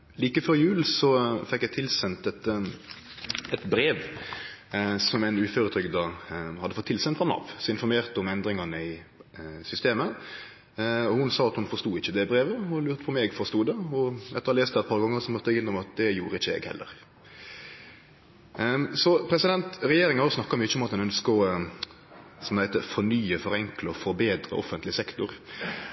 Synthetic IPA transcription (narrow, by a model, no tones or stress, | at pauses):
liːkəføɾjʉːlsɔfɛkːjɛt̪ʰɪlsɛnt̪ɛt̪ | ɛt̪bɾeːʋ | sɔmæɪnʉːføːɾət̪ʰɾʏɡd̪ɑhɑd̪ːəfɔt̪ʰːɪlsɛnt̪fɔnɑ̰ʋsɔɪnfɔɾmeːʁt̪ɔmɛnd̪ɾɪŋɑnəɪ | sʏst̪eːmə | ɔhʊnsɑːɑt̪hʊnfɔɾst̪uːɪçːəd̪ɛbɾeːʋəɔlʉːɾt̪əpʰɔmɛːɡfɔɾst̪uːd̪ɛɔɛ̰t̪ːəɾɔleːst̪ɛt̪̚pɑːʁɡɑŋːəɾsɔmœt̪ːɪnːɔmɑt̪̚d̪ɛjuːɾəɪçːəɛ̰ɡhɛ̰lːə̰ɾ | sɔpʰɾɛsɪd̪ɛnt̪ɾɛjeːɾɪŋhɑsnɑkːɑmyːəʊmɑt̪̚d̪ɛnœnskɔ | sɔmd̪æɪt̪əfɔɾnyːəfɔɾɛŋkləɔfɔɾbeːd̪ɾə̰ʔɔ̰fənt̪lɪsɛkt̪ʊɾ